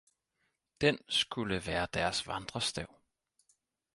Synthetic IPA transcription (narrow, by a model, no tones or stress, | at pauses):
d̥ensɡ̥uləʋæːɐd̥æɐsʋɑnd̥ʁɐsd̥æʊ̰